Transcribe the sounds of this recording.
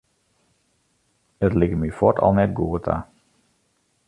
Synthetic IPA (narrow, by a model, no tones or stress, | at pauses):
ətlɪkmyfɔtɔ̰lˠnɛt̚ɡuːətʰa̰